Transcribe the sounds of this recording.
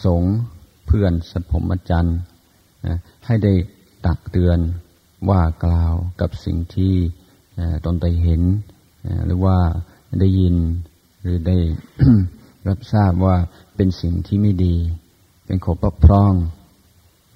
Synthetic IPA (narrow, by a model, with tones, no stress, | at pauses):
so˨˦ŋ | pʰɯ˥˧˩ənsa˧˦pʰo˨˦mʔa˧˥t͡ɕa˧n | ʔa˧˩ | ha˧˥˩jda˥˩j | t̪a˨˩k̚t̪ɯ˧ən | waː˧˩klaː˧wka˧˦p̚sḭ˨˩ŋt̪ʰiː˧˥˩ | ʔːt̪o˧˦nt̪a˧˩jɦe˨˦n | ʔɾɯ̰ː˨˦waː˧˥˩ | da˥˩jːi˧n | ɾɯː˨˦da˥˩j | ɾa˦˥p̚saː˥˩p̚waː˧˩ | pe˧nsi˨˩ŋt̪ʰiː˥˩maː˥˩˨jdiː˧ | pe˧˨nkʰo˨˦pɔ˧˩k̚pʰɾɔː˧˩˨ŋ